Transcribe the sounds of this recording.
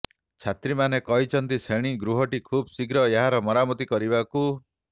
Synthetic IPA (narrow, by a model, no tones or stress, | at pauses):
t͡ʃʰat̪ɾimanekɔɦit͡ʃʰɔnt̪iseɽ̃iɡɾuɦɔʈikʰubsiɡɾɔeɦaɾɔmɔɾamɔt̪ikɔɾibaku